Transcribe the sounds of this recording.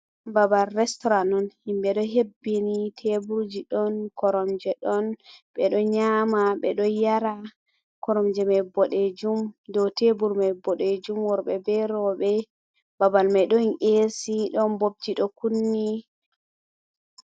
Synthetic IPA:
babalɾɛstɔɾanɔnhimɓɛɗɔɦebːinitʰebuɾd͡ʒiɗɔnkɔɾɔmd͡ʒɛɗɔnɓɛɗɔɲamaɓɛɗɔjaɾa | kɔɾɔmd͡ʒɛmajbɔɗed͡ʒumdɔwtebuɾmajbɔɗed͡ʒumwɔɾɓɛbɛɾɔɓɛ | babalmajɗɔnʔesiɗɔnbob̚d͡ʒiɗɔkunːi

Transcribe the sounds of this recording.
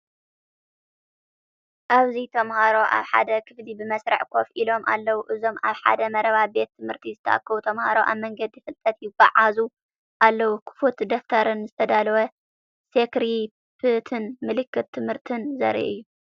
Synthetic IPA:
ʔaβzit̪ʰɐmhaɾo̞ʔa̰βħa̰d̪ɐkʰɨflibɨmɐsɾɐ̰ʕkʰo̞fʔilo̞mʔa̰lːɐwuʔɨzo̞maβħa̰d̪ɐmɐɾɐβabe̞t̪ʰːɨmhɨɾt̪ʰizɨt̪ʰɐ̰ʔa̰kːɐwut̪ʰɐmhaɾoʔa̰βmɐŋɡɐd̪jɪfɨlt̪ʼɐt̪jɪɡ̥a̰ʕazu | ʔalːɐwukʰɨ̥fut̪d̪oft̪ʰɐɾɨnzɨt̪ʰɐd̪alɐwɐ | sekɾi | pʰɨt̪ʰɨnmɨlɨkːɨt̪ʰːɨmhɨɾt̪ʰɨnzɐ̰ɾḭʔɨjːu

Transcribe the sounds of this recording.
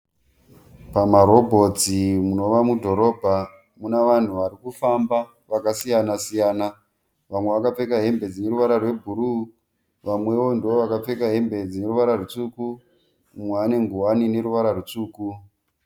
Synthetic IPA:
pamaɾo̞bʱo̞t͡simuno̞ʋamudʱo̞ɾo̞ːbʱa | munaʋan̤uʋaɾikufamba | ʋakasijanasijaːna | ʋamwe̞ʋakap͡fe̞kaɦe̞mbe̞d͡zine̞ɾuʋaɾarwe̞bʱuɾu | ʋamwe̞ʋo̞ndoʋoʋakap͡fe̞kaɦe̞mbe̞d͡zine̞ruʋaɾarut͡suku | mweane̞ŋɡuwanine̞ɾuʋaɾarut͡suːku

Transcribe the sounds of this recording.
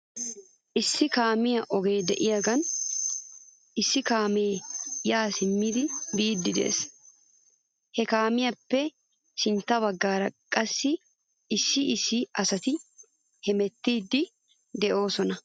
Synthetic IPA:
ʔɪsːɪkaːmɪjɐʔɔɡe̞ːd̪ɛ̰ʔɪjɐɡɐn | ʔɪsːɪkaːmeːjaːsɪmːɪd̪ɪbiːd̪ːɪd̪ḛʔs | hɛkaːmɪjɐpːɛ | ʃɪnt̪ɐwɐɡːaːɾɐkʼːɐsːɪ | ɪsɪʔɪsɪɐsɐt̪ɪ | hɛmɛt̪ːiːd̪ːɪ | d̪ɛʔo̞ːsɔnɐ

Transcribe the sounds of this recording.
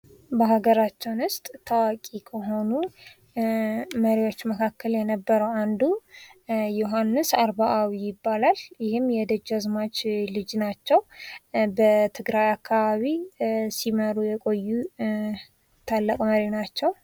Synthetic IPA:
bəɦaɡəɾat͡ʃːɛwnʊst̪ʼt̪ʰawakʼikʰəɦo̞nu | məɾiwo̞t͡ʃːməkʰakʰːəljɛnəbːəɾəwand̪u | joɦanːɨsaɾβaʔawijɪbːalaljɪhɨmːjɛd̪əd͡ʒazmat͡ʃlɨd͡ʒnat͡ʃːɛwbət̪ʰɨɡɾajakːaβaβisiməɾujɛkʼo̞jːu | t̪ʰalːəkʼməɾinat͡ʃːɛw

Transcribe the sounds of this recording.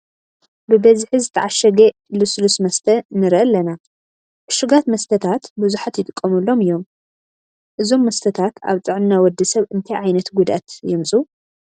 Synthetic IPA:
bɨbɐzħizɨt̪ʰɐʕaʃɐɡe | luslusmɐst̪ʰɐnɨɾʔɐlːɐna | ʔɨʃuɡat̪mɐst̪ʰɐt̪ʰat̪bɨzuħat̪jɪt̪ʼɨkʼːɐmulːo̞mɨjːo̞m | ʔɨzo̞mːɐst̪ʰɐt̪ʰat̪a̰βt͡sʼɨʕnnawɔd̪ːɨsɐβɨnt̪ʰajʕajnɐt̪ɡud̪ʔa̰t̪jɛmsʼu

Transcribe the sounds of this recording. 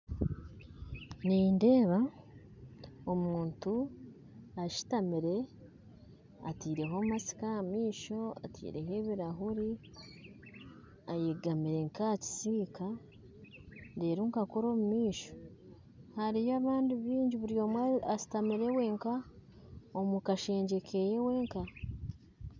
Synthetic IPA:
ninde̞ːβa | omuːntu | aʃi̥tamiɾe̞ | atiːɾe̞ɦomasi̥kamiːʃo̞a̰tʰḭːɾe̞ɦe̞βiɾaɦuɾi | ajeɡamiɾe̞ŋkaci̥siːka | deːɾuŋkakoɾo̞ːmumiːʃo̥ | haɾijaːβaːndiβiːɲɟiβuɾijo̞mwaaʃi̥tamiɾe̞we̞ŋka | omukaʃe̞ːɲɟe̞kʰejewe̞ːŋka

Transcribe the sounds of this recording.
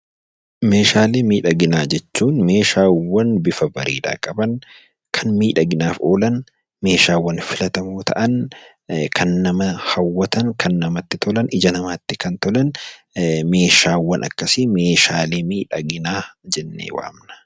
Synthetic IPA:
me̞ːʃaːleːmiːᶑɐɡɪnaːd͡ʒɛt͡ʃːuːnme̞ːʃaːwːɐnbɪfɐbɐɾḭːd̪a̰ːkʼɐbɐŋ | kʰɐnmiːᶑɐɡɪnaːfoːlɐn | me̞ːʃaːwːɐnfɪlɐt̪ɐmoːt̪ʰɐ̰ʔɐn | kʰɐnːɐmɐhɐwːɐt̪ɐnkʰɐnːɐmɐt̪ːɪt̪ʰɔlɐnɪd͡ʒɐnɐmaːt̪ːɪkɐnt̪ɔlɐn | me̞ːʃaːwːɐnʔɐ̰kːɐsimeːʃaːleːmiːᶑɐɡɪnaːd͡ʒɛnːḛːwa̰ːmnɐ̥

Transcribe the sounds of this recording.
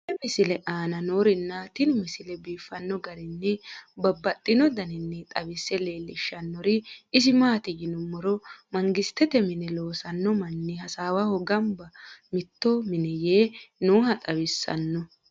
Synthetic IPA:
ɛmɪsɪlɛʔaːnɐnoːɾɪnːɐt̪ɪnmɪsɪlɛbiːfːɐnːɔɡɐɾɪnːɛbɐbːɐt̪ʼːɪnɔd̪ɐnɪnːɛt̪ʼɐwɪsːɛle̞ːlːɪʃːɐnːɔɾɪɪs̬ɪmaːt̪ɪjɪnʊmːɔɾɔmɐŋɡɪst̪ːɛt̪ɛmɪnɛlo̞ːsɐnːɔmɐnːɪhɐsaːwɐhɔɡɐmbɐmɪt̪ːɔmɪnɛjeːnoːɦɐt̪ʼɐwɪsːɐ̰nːɔ

